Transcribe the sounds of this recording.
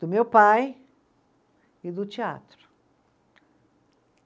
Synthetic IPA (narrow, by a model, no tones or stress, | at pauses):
d̪̥ʊmewpaj | id̪ʊt͡ʃia̰t̪ɾʊ